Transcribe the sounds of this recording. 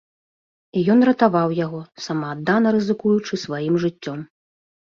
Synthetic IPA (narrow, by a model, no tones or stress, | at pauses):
ijɔnrɐt̪avawjaɣɔsamɐːd̪ːanɐɾɨzɨkujut͡ʂɨsvajimʐɨt͡sʲːɔm